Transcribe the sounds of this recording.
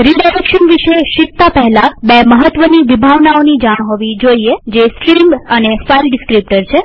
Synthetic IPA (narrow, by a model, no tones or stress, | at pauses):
ɾiɖajɾekʃənʋiʃeʃikt̪apəɦɛlabeməɦət̪ʋəniʋibʱaʋnaonid͡ʒaɽ̃ɦɔʋid͡ʒoied͡ʒeskɾimənefailɖɪskɾip̚ʈəɾt͡ʃʰe